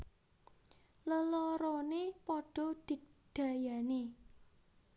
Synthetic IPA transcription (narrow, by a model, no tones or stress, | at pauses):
ləlɔɾɔnepɔɖ̥ɔ̤d̪̥iɖ̪̥a̤jane